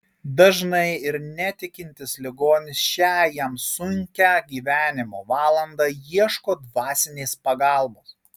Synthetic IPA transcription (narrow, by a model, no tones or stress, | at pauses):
d̪ɐʒnɐɪɪɾnʲɛt̪ʲɪkʲɪnʲt̪ʲɪslʲɪɡoːnʲɪsʃʲæːjɛmsʊŋʲkʲæːɡʲiːʋʲæːnʲɪmoːʋɑːlˠɐnd̪ɑːjiɛʃkoːd̪ʋɑːsʲɪnʲeːspɐɡɑˑlˠboːs